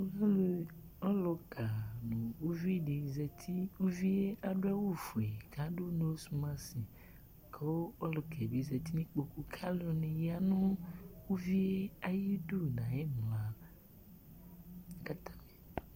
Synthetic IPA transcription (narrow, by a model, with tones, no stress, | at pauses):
o˦a˦lo˦ | ɔ˦lɔ˨ka˨nõ˨wu˦vi˦˨ɖe˨zɛ˨t̪ʰi˦wu˦vi˦e˦a˨ɖo˦a˦wo˦fu˨e˨ka˨˦ɖo˦nõ˦wo˦su˦mã˦si˨ | kʰe˦wo˦ɔ˦lo˨kʰe˨be˨˦zɛ˨t̪i˦nĩ˦k͡po˨ku˦kʰa˦lo˦nẽ˨ja˦nõ˦wu˦vi˦e˦a˨ji˦du˦nã˨je˦m˨la˨ | ka˦t̪ʰa˦me˨